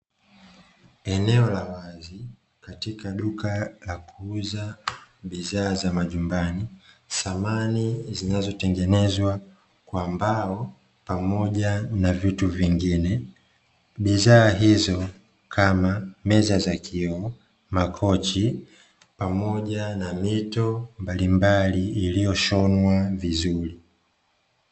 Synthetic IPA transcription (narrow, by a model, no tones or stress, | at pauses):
ɛnɛɔlawazi | katikaɗukalakuuzaɓizaːzamaʄumbanisamanizinazɔtɛŋɡɛnɛzwa | kwambaɔ | pamɔʄanavituviŋɡinɛ | ɓizaːɦizɔ | kʰamamɛzazakʰiɔ | makʰɔt͡ʃi | pamɔʄanamitɔmbalimbaliːlijɔʃɔnwavizuɾi